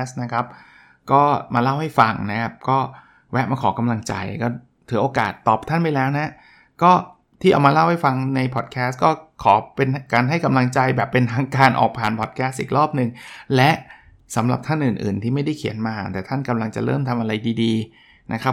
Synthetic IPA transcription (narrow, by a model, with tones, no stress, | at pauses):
sna˦˥kʰa˦˥p̚ | kɔː˥˩maː˧la˥˩wha˥˩jfa˧ŋna˦˥kʰa˦˥p̚kɔː˥˩ | wɛ˦˥maː˧kʰɔː˩˦ka˧mla˧ŋt͡ɕa̰˧jkɔː˥˩ | t̪ʰɯː˩˦ʔoː˧kaː˨˩t̪ːɔː˨˩p̚t̪ʰa˥˩npa˧jlɛː˦˥wna˦˥ | kɔː˥˩ | t̪ʰiː˥˩ʔa̰ː˨˧˩wmaː˧la˥˩wha˥˩jfa˧ŋna˧jpʰɔː˨˩t̪̚kʰɛː˦˥skɔː˥˩kʰɔː˩˦pe˧nkaː˧nɦa˥˩jka˧mla˧ŋt͡ɕa˧jbɛː˨˩pːe˧nt̪ʰaː˧ŋkaː˧nʔɔ̰ː˨˩k̚pʰaː˨˩npʰɔ˨˩t̪̚kʰɛ˦˥st̪̚ʔiː˨˩k̚ɾɔː˥˩p̚nɯ˨˩ŋlɛ˦˥ʔ | sa˩˦mɾa˨˩p̚t̪ʰa˥˩nʔɯː˨˩nʔɯ̰ː˨˩nt̪ʰiː˥˩ma˥˩jda˥˩jkʰi˩˦ənmaː˧t̪ɛː˨˩t̪ʰa˥˩nka˧mla˧ŋt͡ɕa̰˨˩ɾɤ̰ː˥˩mt̪ʰa˧mʔa˧ɾa˧jdiː˧diː˧ | nʔa˦˥kʰa˦˥